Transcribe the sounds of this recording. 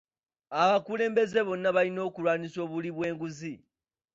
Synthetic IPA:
aβakule̞ːmbe̞ze̞βo̞nːaβalino̞ːkulwaːniso̞ːβuliβwe̞ːŋɡuzi

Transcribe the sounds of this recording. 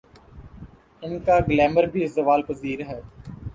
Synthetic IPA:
ɪnkaːɡlɛːməɾbʱiːzəʋaːlpəziːɾɦɛː

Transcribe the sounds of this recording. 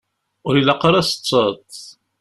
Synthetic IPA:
ʊɾilɑqːəɾæsə̥t͡sːət̪ˤ

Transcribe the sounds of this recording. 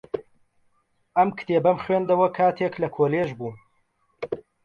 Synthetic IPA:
ɐmkʰɨ̥t̪ʰeːbɐmχwend̪ɐwɐkʰaːt̪ʰeklɐkʰoːleʒbuːn

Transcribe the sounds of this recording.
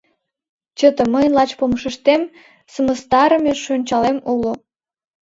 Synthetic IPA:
t͡ɕət̪ə̆məjlɑt͡ɕpomʃəʃt̪em | səməst̪ɑɾəmeʃønʲt͡ɕɑlemulo

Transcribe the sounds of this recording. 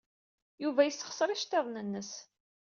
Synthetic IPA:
juvæjəsːəχsˤɾiʃt̪eðˤnənːəs

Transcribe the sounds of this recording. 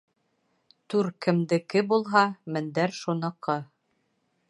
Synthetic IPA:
t̪ʉɾkɘ̆md̪ɘ̆kɘbulˠɦɑmɘ̆nd̪æɾʃunɤ̆qʰɤ

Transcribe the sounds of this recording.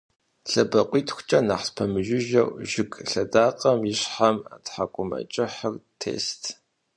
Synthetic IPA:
ɬɐbɐqʷʼiːtʰxʷt͡ʃʼɐnaħspʰɐmɨʒɪʒɐwʒɪkʼɬɐdaːqʼɐmjɪɕħama̰tħakʷʼʊmɐ̰t͡ʃʼɪħərtʰḛːstʰ

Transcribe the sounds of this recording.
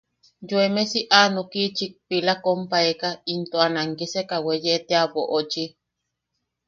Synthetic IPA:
joemesiʔanokit͡ʃik̚pilakompaekaint̪oanaŋkisekawejeʔt̪eapoʔot͡ʃi

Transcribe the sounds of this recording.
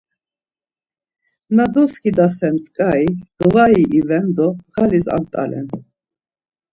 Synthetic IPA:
nad̪ɔskʰid̪asɛnt͡sʼkʼaid̪̥vaiʔivɛnd̪ɔʁaliza̰mt̪ʼa̰lɛ̰n

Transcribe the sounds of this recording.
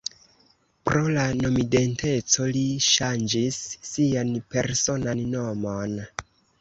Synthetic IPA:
pɾo̞lano̞mide̞nte̞t͡so̞liʃand͡ʒisːianpe̞̰ɾso̞nanːo̞mo̞n

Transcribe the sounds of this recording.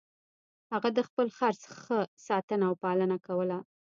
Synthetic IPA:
haɣad̪əxpəlxaɾsxəsɑt̪ənaːwpɑlənakawəla

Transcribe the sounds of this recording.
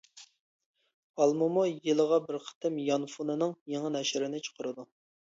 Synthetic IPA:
ɑlˠmumujɨlˠəʁɑbɪɾqʰə̥t̪ʰɨmjɑnfunɨnɨŋjeŋənɛʃɪɾɪnɪt͡ʃʰo̥qʰəɾɨd̪u

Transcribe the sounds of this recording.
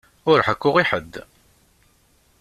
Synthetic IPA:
ʊɾħəkːʊʁiħəd̪ː

